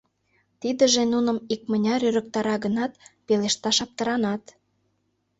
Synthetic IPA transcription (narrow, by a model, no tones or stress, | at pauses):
t̪id̪ə̆ʒenunə̆mik̚mə̆nʲɑɾyɾə̆k̚t̪ɑɾɑɣənɑt̪peleʃt̪ɑʃɑp̚t̪ə̆ɾɑnɑt̪